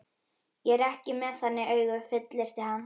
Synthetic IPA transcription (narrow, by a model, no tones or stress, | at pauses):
jɛɛɾɛhcɪmɛðθanːɪœːɥɣʏfɪt̪lɪɾ̥t̪ɪhanː